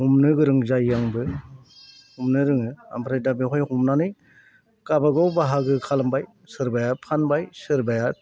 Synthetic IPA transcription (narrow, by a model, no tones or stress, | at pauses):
humnɯɡɯɾɯŋzajaŋbɯ | humnɯɾɯŋɯa̰mpʰɾajdabeɦɔjhumnanɯj | kabaɡawbaɦaɡɯkʰalambaj | sɯɾbajapʰanbajsɯɾbaja